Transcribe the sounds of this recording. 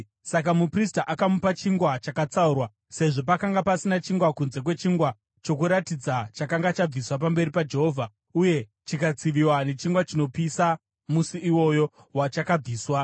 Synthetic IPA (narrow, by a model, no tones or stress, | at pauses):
sak̬amupristaʔakamupat͡ʃiŋɡwat͡ʃakat͡saurwa | se̞ʐo̞pakaŋɡapasinat͡ʃiŋɡwakunze̞kwe̞t͡ʃiŋɡwa | t͡ʃo̞kuɾatid͡zat͡ʃakaŋɡat͡ʃab͡viswapambe̞ɾipad͡ʒe̞ɦo̞ːvʱa | uje̞ | t͡ʃikat͡siʋiwane̞t͡ʃiŋɡwat͡ʃino̞pisa | musiiwo̞jo̞ | wat͡ʃakab͡viːswa